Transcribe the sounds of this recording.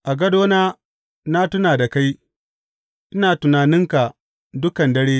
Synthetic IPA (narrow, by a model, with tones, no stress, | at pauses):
ʔa˨ɡɐ˦doː˦naː˦ | na˦tʊ˦naː˨da˨ka˦j | ʔɪ˦naː˨tʊ˨naː˨nɪ˦ŋka˨ | dʊ˦kɐ˨ndɐ˦ɽeː˦